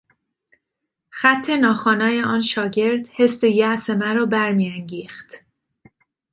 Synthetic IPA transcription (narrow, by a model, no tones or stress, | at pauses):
xæt̪ʰːe̞nɒːxɒːnɒːje̞ɒːnʃɒːɟe̞ɾd̪̥he̞st̪ejæʔsemæɾɒːbæɾmijæŋɟiːxt̪